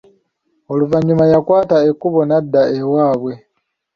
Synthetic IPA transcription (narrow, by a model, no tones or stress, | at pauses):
o̞luvaɲːumajakwaːtaekːuβo̞nadːaewaːβwe̞